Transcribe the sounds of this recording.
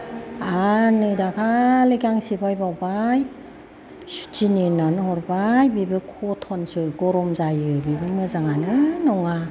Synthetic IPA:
anɯjdakʰalekaŋsibajbawbaj | su̥tininanɦɔɾbajbibɯkʰɔtʰɔnsɯɡɔɾɔmzajɯbibɯmɯzaŋanɯnɔŋa

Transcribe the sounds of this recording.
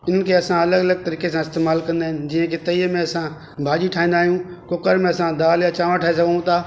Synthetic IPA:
ɪn̤ənɪkʰeɐsãɐləɡɐləɡ̚t̪ɐɾiːkes̬ãɪst̪eːmaːlkɐ̃nd̪aːɦɪnɪ̆d͡ʑiə̃kʰet̪ɐiːəmẽɐsã | bʱaːʄiʈʰaːĩnd̪aːɦijũkokəɾmẽɐsãd̪aːljãt͡ɕaːʋãʈʰaːesɐɡʱnũt̪ʰaː

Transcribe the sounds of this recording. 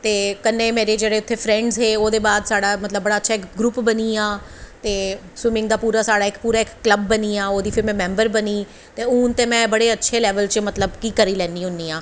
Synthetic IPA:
t̪eːkənːẽːmeːɾeːd͡ʒeːɽeːʊt̪ʰːeːpʰɾɛ̃ːɳɖzɦeːoːd̪eːbaːd̪saːɽaːmət̪ləbːəɽaːətːʃʰaːɪkɡɾuːpbəniːaː | t̪eː | swɪmɪ̃ŋɡd̪aːpuːɾaːsaːɽaːɪkpuːɾaːɪkːləbːəniːaːoːd̪iːpʰɪɾmɛ̃ːmɛ̃ːmbəɾbəniː | t̪eːuːnt̪eːmɛ̃ːbəɽeːətːʃʰeːlɛːʋəlt͡ʃmət̪ləbkiːkəɾiːlɛ̃ːnd̪iːɦʊniːãː

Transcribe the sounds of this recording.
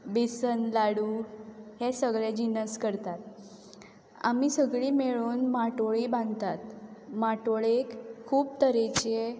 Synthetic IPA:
besənlaɽuhesəɡɭed͡ʑinəskəɾt̪at̪ | a̰miːsəɡɭiːmeɭuːnmaʈoɭiːbãnd̪t̪at̪maʈoɭekʰːuːb̚t̪əɾet͡ɕe

